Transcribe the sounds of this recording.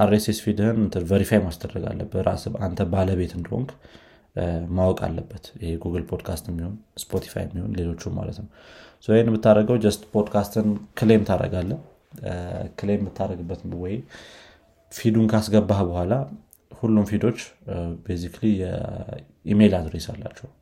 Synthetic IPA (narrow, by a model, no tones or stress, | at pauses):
ʔaɾːesesfid̪hɨnt̪ʰɨvəɾifajmasd̪ədːəɡa̰lːə̰bəɾa̰sa̰nt̪ʰəbaləβe̞t̪ɨnd̪əho̰ŋk | mawɔkʼa̰lːəbːət̪jɪheɡuɡɨlpʰo̞d̪kʰast̪ɛmːiho̞nspʰo̞t̪ʰi̥fa̰jɛmːiho̞nle̞lo̞t͡ʃːumːa̰lə̰t̪nəwsəenmɨt̪ːaɾəɡəwd͡ʒəst̪pʰod̪kʰast̪ɨnkʰɨlejmt̪ʰaɾə̰ɡalːə | kʰɨlejmːɨt̪ʰːaɾəɡɨbːət̪nwɔj | fid̪unkʰasɡəbːahbəhʷala | hulːumfid̪o̞t͡ʃːbesikʰlijɛ | ʔime̞lad̪ɾesa̰lːa̰t͡ʃːɛw